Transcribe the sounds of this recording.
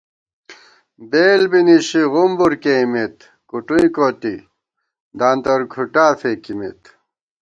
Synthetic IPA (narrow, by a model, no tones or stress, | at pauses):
beːlbiniɕiɣumbuɾkemet̪ | kuʈuĩkoːt̪i | d̪aːnt̪ɐɾkʰuʈaːfekimḛt̪